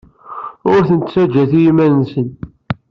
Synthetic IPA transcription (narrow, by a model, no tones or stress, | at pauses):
ʊɾθənt̪t͡sːæd͡ʒːæθijimænnsən